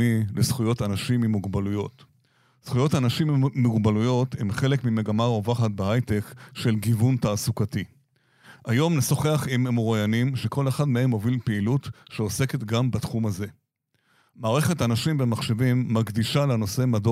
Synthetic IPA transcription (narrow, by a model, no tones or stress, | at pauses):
ilesχujo̞tanaʃimimuɡbalujo̞̰t̪ | sχujo̞tanaʃimmuɡbalujo̞themχe̞le̞kmime̞ɡamaʁo̞vaχat̪̚beɦajte̞kʃe̞lɡivuntaːsukati | ʔajo̞mneso̞χe̞aχimemoʁajanimʃe̞ko̞leχad̪mehe̞mo̞vilpeilutʃeo̞se̞ke̞tɡambatχumaze̞ | maːʁe̞χe̞tanaʃimvemaχʃevimːaɡdiʃalano̞se̞mado